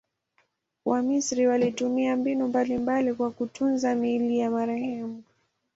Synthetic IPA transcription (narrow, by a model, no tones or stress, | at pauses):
wʔamisɾiwalitumiambinumbalimbalikwakutʰunzamilijamaɾɛhɛmu